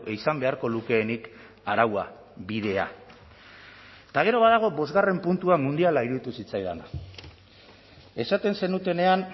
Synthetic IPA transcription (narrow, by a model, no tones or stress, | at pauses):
ʔisambe̞aɾko̞luke̞ːnik | aɾawa | βið̞e̞a̰ | t̪aɣ̞e̞ɾo̞β̞aðaɣ̞o̞bo̞zɣare̞mpunt̪uamund̪ialaiɾuðit̪usit͡sajðana̰ | e̞sat̪e̞nse̞nut̪e̞ne̞an